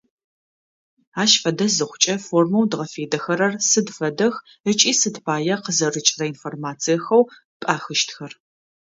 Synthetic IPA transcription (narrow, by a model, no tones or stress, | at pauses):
aːʃfɐdɐzɨχʷʊt͡ʃʼɐformɐwdʁɐfeːdɐxɐɾɐrsɨdfɐdɐx | ət͡ʃʼiːsɨdpʰaːjɐqəzɐrɨt͡ʃʼrɐinformaːt͡sʰijɐxɐw | pʼaːxɨʃtʰxɐr